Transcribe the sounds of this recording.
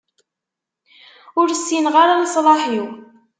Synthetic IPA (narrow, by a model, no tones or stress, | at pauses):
ʊɾsːinʁaɾalsˤlɑħiw